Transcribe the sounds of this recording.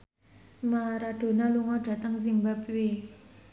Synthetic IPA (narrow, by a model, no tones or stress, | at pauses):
maɾaʈ͡ʂonaloŋaʈ͡ʂat̪aŋzinbapywe